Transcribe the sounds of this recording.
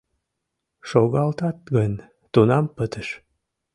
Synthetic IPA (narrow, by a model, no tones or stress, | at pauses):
ʃoɣɑlt̪ɑt̪̚ɣənʲ | t̪unɑmpət̪əʃ